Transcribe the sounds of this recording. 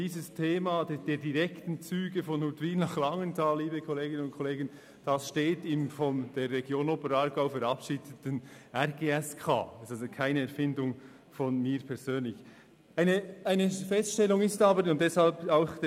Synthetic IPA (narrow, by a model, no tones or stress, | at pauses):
d̥iːzəstʰeːmɑdd̥eːdiʁɛktn̩t͡syːɡəfɔnhutwiːnnɑχlɑŋəntʰɑːlːiːbəkʰɔleːɡɪnənʊntkʰɔleːɡən | d̥ɑsʃteːtɪmfɔnd̥eːrːɛɡjoːnoːpəɾɑɾɡaʊfəɾɑpʃiːdətən̩ʔɛʁɡeːɛskʰa̰ːsazokʰaɪnəɛɾfɪndʊŋ | fɔnmiːɾpʰɛɐzøːnlɪç | ʔaɪnəaɪnəfɛstʃtɛlʊŋɪstɑːbəɾʊnt̚d̥ɛshɑlpaʊxd